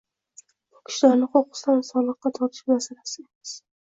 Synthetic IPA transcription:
b̥ʊkʲʰɪ̥ʃlaɾnɪqʰoqʊ̥st̪ɑnɪnsɒnlˠɨqːɑt̪ʰɒt̪ʰɪ̥ʃnasalasɪemaz̥

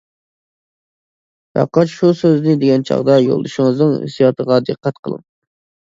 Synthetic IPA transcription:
fɑ̰qːɑt̪ʃusøznɪd̪eɡʲɛnt͡ʃʰɑ̰ʁd̪ɑjo̰lˠd̪ɨ̰ʃɪŋɨznɨŋḛsijɑt̪ʰəʁɑd̪ɨqːɑt̪qʰəlˠɨ̰m

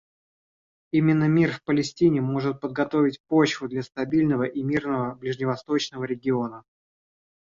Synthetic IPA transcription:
imʲɪnːəmʲirfpəlʲɪsʲtʲinʲɪmo̞ʐɨt̪̚pəd̪̚ɡɐt̪o̞vʲɪtʲpo̞t͡ɕvʊd̪lʲɐst̪ɐbʲilʲnəvəʔimʲirnəvəblʲɪʐnʲɪvɐst̪o̞t͡ɕnəvəɾʲɪɡʲɪo̞nə

